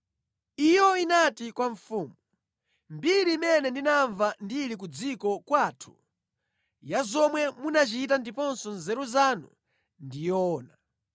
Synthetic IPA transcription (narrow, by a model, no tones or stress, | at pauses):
ijɔinatikwaɱfuːmu | mbiɾiːmɛnɛndinaɱvandiɾik̬ud͡zikɔkwaːtʰu̥ | jazɔmwɛmunat͡ʃit̬andipɔnsɔnzɛɾuzanṵ | ndijɔːna